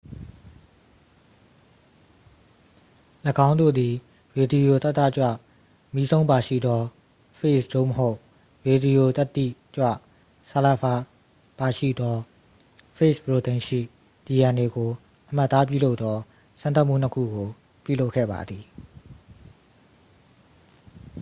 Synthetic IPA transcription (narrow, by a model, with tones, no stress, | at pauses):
lə˨ɡã˦ʊ̃nd̪o̰˦˨d̪i˨ | ɹe˨di˨jo˨t̪a˦t̪ːa˦˨t͡ɕwä̰˦˨ | mi˦zõ˦ʊ̃mba˨ʃḭ˦˨d̪ɔ˦ | pʰe˦˨sd̥̪o̰˦˨məɦo˦ʊʔ | ɹe˨di˨jo˨t̪a˦t̪ːḭ˦˨t͡ɕwa̰˦˨ | sa˨la˨pʰa˨ | b̥a˨ʃḭ˦˨d̪ɔ˦ | pʰe˦sbɹo˨t̪ɪ̃˨ʃḭ˦˨ | d̥i˨jã˨ne˨ɡo˨ | ʔəm̥a˦t̪ːa˦p̬jṵ˦˨lo˦ʊt̪ːɔ˦ | sã˦nt̪a˦ʔm̥ṵ˦˨n̥əkʰṵ˦˨ɡo˨ | pjṵ˦˨lo˦ʊkʰɛ̰˦˨ba̰˨d̪ði˨